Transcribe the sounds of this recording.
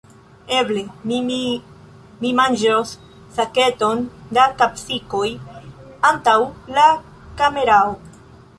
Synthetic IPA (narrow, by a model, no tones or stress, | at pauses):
e̞ble̞ | mimand͡ʒos | sake̞to̞ndakapsikoj | antawla | kame̞ɾao